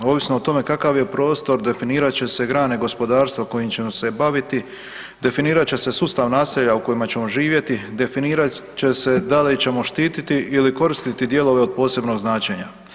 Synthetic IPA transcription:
oʋisnoot̪o̞me̞kakaʋje̞pɾo̞ːst̪o̞ɾd̪e̞finiːɾat͡ɕe̞se̞ɡɾaːneɡo̞spo̞d̪aːɾst̪ʋako̞jimt͡ɕe̞mose̞baʋit̪i | d̪e̞finiːɾat͡ɕe̞se̞suːst̪aʋnaːseʎauko̞jimat͡ɕe̞mo̞ʒiːʋje̞t̪id̪e̞finiːɾat͡ɕe̞se̞d̪alit͡ɕe̞mo̞ʃt̪iːt̪it̪iʔiliko̞ɾist̪it̪id̪je̞lo̞ʋeod̪̚po̞ːse̞bno̞ɡznaːt͡ɕe̞ɲa

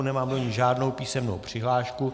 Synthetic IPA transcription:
nɛmaːmdoɲɪʒaːdno̞wpiːsɛmno̰wpr̝̥ɪɦlaːʃku

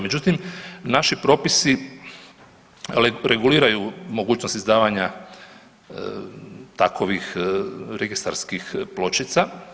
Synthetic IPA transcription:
med͡ʑut̪imnaʃipɾo̞ːpisi | ɾeɡuliːɾajumoɡuːt͡ɕnost̪izd̪aːʋaɲa | t̪akʰoʋixɾeɡist̪a̰ɾskixplo̞t͡ʃit̪sa

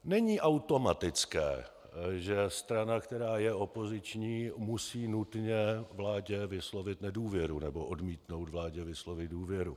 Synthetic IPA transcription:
nɛɲiːʔawt̪o̞mat̪ɪt͡skɛ̰ː | ʒɛst̪ɾanakt̪ɛɾaːjɛo̞po̞zɪt͡ʃɲiːmusiːnut̪ɲɛvlaːɟɛvɪslo̞vɪt̪nɛduːvjɛɾunɛbo̞ʔodmiːt̪no̞wt̪vlaːɟɛvɪslo̞vɪt̪duːvjɛɾu

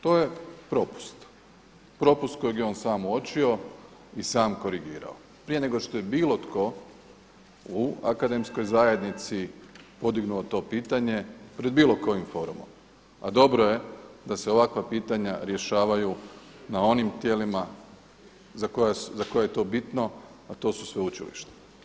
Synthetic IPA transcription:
t̪o̞ːje̞pɾo̞pu̥st̪ | pɾo̞pust̪̚ko̞jeɡjeo̞ːnsaːmuo̞t͡ɕio̞ | isaːmko̞ɾiɡiːɾa̰o | pɾije̞ne̞ɡo̞ʃt̪o̞je̞biːlˠo̞t̪ko̞ | ua̰kad̪e̞msko̞jzaje̞d̪nit̪sipo̞d̪iɡnuot̪o̞ːpiːt̪aɲe̞pɾe̞d̪̚biːlˠo̞ko̞jimfo̞ːɾumo̰m | a̰d̪o̞bɾo̞je̞d̪aseo̞ʋakʋapiːt̪aɲaɾje̞ʃaːʋaju | nao̞nimt̪je̞lima | zakojaszako̞jaje̞t̪o̞ːbit̪no̞ | at̪o̞ːsu̥sʋe̞ut͡ʃilḭʃt̪e̥

